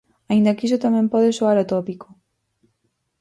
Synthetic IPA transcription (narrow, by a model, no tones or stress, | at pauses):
aind̪akisot̪amɛ̃mpɔðesoaɾot̪opiko